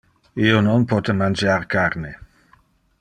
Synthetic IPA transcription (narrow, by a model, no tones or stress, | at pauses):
ionɔnpɔt̪emand͡ʒarkaɾne